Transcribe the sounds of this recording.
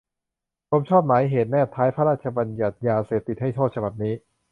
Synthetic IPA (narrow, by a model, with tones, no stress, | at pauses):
pʰo˧˥mt͡ɕʰɔː˥˩p̚naː˩˦jɦeː˨˩t̪̚nɛː˥˩p̚t̪ʰːaː˦˥jpʰa˦˥ɾaː˥˩t̪̚t͡ɕʰa˧ba˧nja˨˩t̪̚jaː˧seː˨˩p̚t̪i˨˩t̪̚ha˥˩jt̪ʰoː˥˩t̪̚t͡ɕʰba˨˩p̚niː˦˥